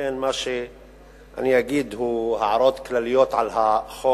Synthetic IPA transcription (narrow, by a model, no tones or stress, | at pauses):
eːnmaʃi | ʔa̰niʔaɡiːd̪huhaʕɾˤoːt̪klalɪjoːt̪ʕalɦaxoː